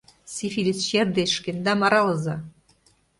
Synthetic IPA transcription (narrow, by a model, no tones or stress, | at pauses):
sʲifilʲit͡sʃerd̪eʃkĕnd̪ɑmɑɾɑlɤzɑ